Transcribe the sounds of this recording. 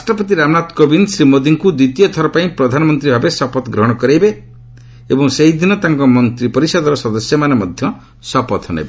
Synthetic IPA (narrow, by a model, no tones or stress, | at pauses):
ɾasʈɾɔpɔt̪̬iɾamnat̪kobinsɾimod̪iŋkud̪wit̪ijɔt̪ʰɔɾɔpaĩpɾɔd̪ʱanɔmɔnt̪ɾibʱabesɔpɔt̪ɡɾɔɦɽ̃ɔkɔɾejbe | ebɔŋseɦid̪inɔt̪aŋkɔmɔnt̪ɾipɔɾisɔd̪ɔɾɔsɔd̪ɔsjɔmanemɔd̪ʱjɔ | sɔpɔt̪ɔnḛbe